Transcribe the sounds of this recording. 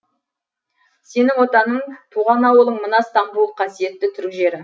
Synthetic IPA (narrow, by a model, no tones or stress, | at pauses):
se̞nɪŋwo̞t̪ɑnəɴt̪ʰuʁɑnɑwəlˠəɴmənɑst̪ɑmbulˠqʰɑsije̞t̪ːɪt̪ʰʏɾkʲʒe̞ɾɪ